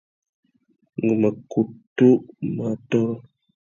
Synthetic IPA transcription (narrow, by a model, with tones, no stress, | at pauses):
ŋɡu˨mə˨ku˨tu˦ʔma˨tɔ˦